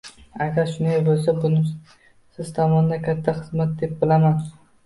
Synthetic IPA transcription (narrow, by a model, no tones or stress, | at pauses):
aɡʲaɾʃʊnajbolˠs̬abʊnɪ | sɪz̥t̪ʰɒmɒnd̪akʲʰat̪ʰːaχɨzmat̪̚d̪e̞p̚bɪlaman